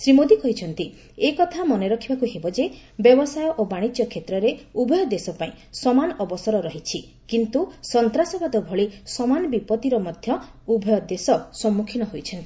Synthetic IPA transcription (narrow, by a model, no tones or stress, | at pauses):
sɾimod̪ikɔɦit͡ʃʰɔnt̪i | ekɔt̪ʰamɔneɾɔkʰibakuɦebɔd͡ʒebjɔbɔsajɔʔobaɽ̃it͡ʃjɔkʰet̪ɾɔɾeubʱɔjɔd̪esɔpaĩ | sɔmanɔʔɔbɔsɔɾɔɾɔɦit͡ʃʰi | kint̪usɔnt̪ɾasɔbad̪ɔbʱɔɭisɔmanɔbipɔt̪iɾɔmɔd̪ʱjɔ | ubʱɔjɔd̪esɔsɔmːukʰinɔɦojt͡ʃʰɔnt̪i